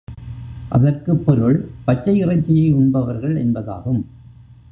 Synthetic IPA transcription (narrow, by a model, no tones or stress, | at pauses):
ʔɐ̰ðɐrkɯpːɔɾɯɭpɐt͡ʃːɐɪɪrɐɪt͡ʃːɪjɐɪʊɳbɐʋɐɾɣɐɭɛ̰nbɐða̰ːɣɯm